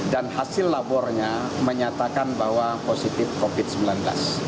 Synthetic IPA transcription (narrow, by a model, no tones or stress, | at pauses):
danhasɪlːabɔrɲaməɲat̪akanbahwaposit̪ɪfkofɪt̪̚səmbilanbla̰s